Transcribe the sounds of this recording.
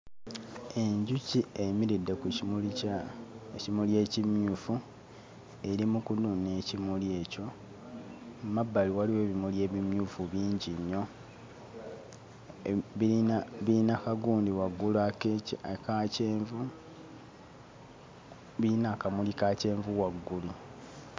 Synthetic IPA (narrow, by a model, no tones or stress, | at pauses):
e̞ɲɟuciemiɾidːekuuli | ecimulje̞ːcimuːfu | e̞ɾimukunune̞cimulje̞ːco̞ | mabːaliwaliwe̞ːβimulje̞ːβimjuːfuβiːɲɟiɲːo | iaβiinakaɡuːndiwaɡːuluakeciakaceːɱvu | βiinakamulikace̞ːɱvuwaɡːulu